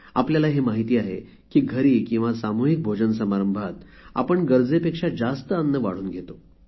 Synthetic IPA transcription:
a̰pljalaɦemaɦit̪iːaɦḛ | kiːɡʱəɾiːkĩw̃ʋasamuɦik̚bʱod͡ʑənsəmaɾəmbʱat̪ | a̰pəɳɡəɾd͡zepekʂad͡zast̪əanːəʋa̰ɽ̤uːnɡʱet̪o

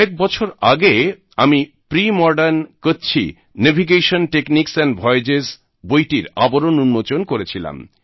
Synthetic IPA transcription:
ɛk̚bɔt͡ɕʰoɾaɡe | ami | pɾimɔɾɖankot͡ɕʰḭ | nebʱiɡeʃonʈekniksɛnbʱɔed͡ʑes | bojʈiɾaboɾonunmot͡ɕonkoɾet͡ɕʰila̰m

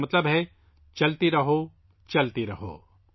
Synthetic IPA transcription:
mɐt̪ləbɦɛ | t͡ʃɐlt̪iɾɐɦo | t͡ʃɐlt̪iɾɐɦo̰ː

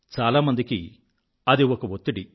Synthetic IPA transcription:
t͡ʃaːlaːmɐnd̪iki | ɐd̪iɔkɐʋot̪ːiɽi

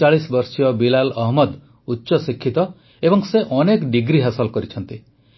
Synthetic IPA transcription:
aɭisbɔɾsijɔbilalɔɦmɔd̪ | utːʃɔsikʰːit̪ɔ | ebɔŋseʔɔnekɖiɡɾiɦasɔlkɔɾit͡ʃʰɔnt̪i

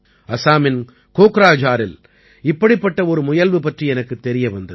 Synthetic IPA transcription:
ɐsaːmɪn | koːkɾaːd͡ʒaːɾɪl | ɪpːɐɽɪpːɐʈːɐɔɾɯmʊjɐlʋɯpɐʈriɛnɐkːɯt̪ːɛɾɪjɐʋɐnd̪ɐð

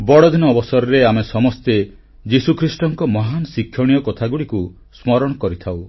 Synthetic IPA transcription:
bɔɽɔd̪inɔːbɔsɔɾɔɾeamesɔmɔst̪e | d͡ʒisukʰɾisʈɔŋkɔmɔɦanɔsikʰːjɔɽ̃ijɔkɔt̪ʰaɡuɽiku | smɔɾɔɽ̃ɔkɔɾit̪ʰaw

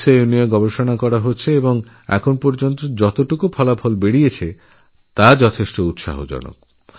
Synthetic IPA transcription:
sejunieɡɔbeʃonakɔɾaɦotːɕʰeeboŋ | ɛ̰kʰonpɔɾd͡ʑont̪od͡ʑɔt̪oʈukupʰɔlapʰɔlbeɽiet͡ɕʰe | t̪ad͡ʑɔt̪ʰeʃʈout̪ʃa̰ɦo̰d͡ʑɔ̰no̰k̚

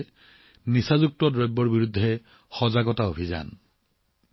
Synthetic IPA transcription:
nisazuk̚tɔdɹɔjbːɔɹbiɹudʱːɛ | xɔzaɡɔtaobʱiza̰n

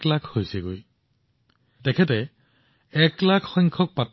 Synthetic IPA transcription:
klakʰhojsɛɡoj | tɛkʰɛt̬ɛ | ɛklakʰxɔjŋkʰɔk̚pat

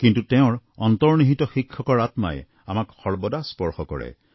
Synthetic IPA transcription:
kintutɛʊ̃ɹɔntɔɹniɦitɔxikʰːɔkɔɹatma̰ɛ̰ | amakxɔɹbɔdaspɔɹxɔkɔ̰ɹɛ̰

